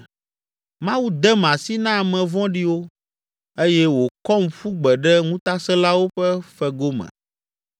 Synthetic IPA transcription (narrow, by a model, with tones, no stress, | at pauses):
mã˦wu˦d̪ɛ˦mã˨si˦nã˦˨mɛ̃˨vɔ̃˦ɖi˦wo˦ | e˦jɛ˦wo˨kɔ˦m̩˨ɸu˦ɡ͡bɛ˨ɖɛ˦ŋũ˦t̪a˦sɛ˦la˦wo˦ɸɛ˦fɛ˦ɡo˦mɛ̰̃˨